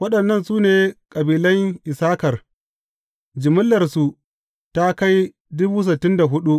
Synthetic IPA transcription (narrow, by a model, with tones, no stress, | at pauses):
wɐ˦ɗɐ˨nːɐ˦˨nsuː˦neː˨kʼɐ˨biː˨lɐ˦ŋʔɪ˨saː˦kɐ˨r | d͡ʒɪ˨mʊ˦lːɐ˨rsu˨ | ta˦ka˦j | dʊ˦buː˦s̬ɪ˨tːɪ˦nda˨ɦʊ˦ɗu˦